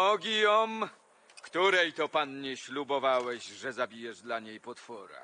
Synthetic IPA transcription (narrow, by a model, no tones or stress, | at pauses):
ɔɡʲɔm | kt̪uɾɛjt̪ɔpanɲɛɕlubɔvawɛʑʐɛzabʲijɛʐd̪laɲejpɔt̪fɔɾa̰